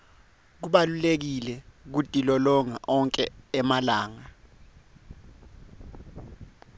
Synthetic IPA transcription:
k̬uɓalulek̬ilɛk̬utʼilɔlɔŋa̰ʔɔŋkʼɛːmalaːŋa

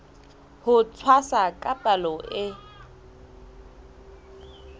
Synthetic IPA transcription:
hʊt͡sʰwasakʼapʼalɔʔɪ

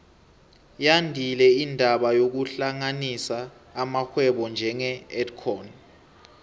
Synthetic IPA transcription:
jandʱilɛindʱaɓajok̬uɬaŋanisaː | maxwɛɓɔnd͡ʒʱɛŋɛɛtkʰɔn

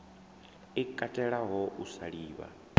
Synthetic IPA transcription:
ikʼatʼɛɺaɦɔʔusaɺiːβa̰

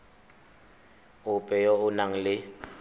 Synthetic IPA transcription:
ʊpʼɛjɔʊnaŋ̩lɪ

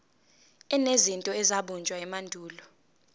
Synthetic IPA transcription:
ɛnezintʼɔɛzaɓund͡ʒʱʼwaɛmandʱuːlɔ

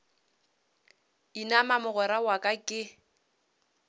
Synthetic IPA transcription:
inamamʊɣɔɾawakʼakʼɪ

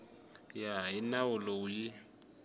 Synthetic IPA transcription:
jaɪnaʊlɔʊjɪ

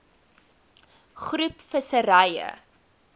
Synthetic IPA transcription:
χrʉpfəsəɾɐjə̰

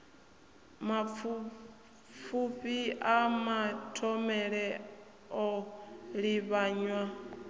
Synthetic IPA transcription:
mafu | fuɸiamatʰɔmɛɺɛ | ɔɺiβaɲwa

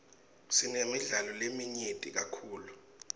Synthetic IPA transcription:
sinemiɮalɔlemiɲetʼik̬akʰuːlu

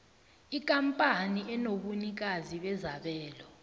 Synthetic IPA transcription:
ikʼampʼaniʔɛnoɓunik̬aziɓɛzaɓɛːlɔ

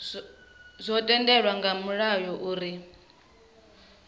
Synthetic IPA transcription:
zʷɔtʼɛndɛɺwaŋɡamuɺajɔʔuːɾi

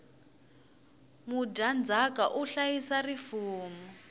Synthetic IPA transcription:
mudʱand͡zʱakʼaʔuɬajisarifuːmɔ

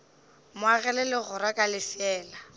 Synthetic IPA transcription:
mʊaɣɛlɛlɪɣʊɾakʼalɪfɛːla

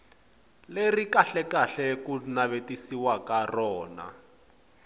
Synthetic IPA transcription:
lerikaɬɛkaɬɛkunaβetisiwakarɔːna̰

